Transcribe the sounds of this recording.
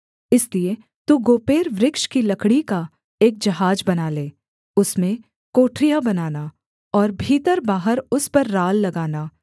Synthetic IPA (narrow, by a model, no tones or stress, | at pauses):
ɪslie | t̪uɡoːpeːɾʋɾɪkʃkilɐkɽika | eːk̚d͡ʒɐɦaːd͡ʒbɐnaːleː | ʊsmẽ | koːʈʰɾijabɐnaːna | ɔːɾbʱiːt̪əɾbaːɦəɾʊspɐɾːaːlːɐɡaːnaː